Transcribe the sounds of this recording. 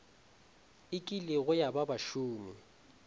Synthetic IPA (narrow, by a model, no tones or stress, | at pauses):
ɪkʼilɪɣʊjababaʃuːmi